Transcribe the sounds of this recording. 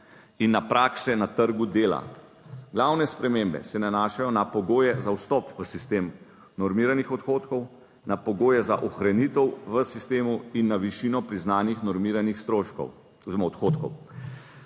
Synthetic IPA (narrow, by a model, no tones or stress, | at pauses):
inːapɾaːksɛnat̪əɾɡud̪eːla̰ | ɡlawnɛspɾɛmeːmbɛ̰sɛnanaːʃajɔnapɔɡoːjɛzawst̪ɔpʋəsist̪eːm | nɔɾmiːɾanixɔt̪xoːt̪kɔw | napɔɡoːjɛzaʔɔxɾanit̪ɛwʋəsist̪eːmuinːaʋiʃinɔpɾiznaːnixnɔɾmiɾanixst̪ɾoːʃkɔ̰w | oziɾɔmaɔt̪xot̪kɔ̰w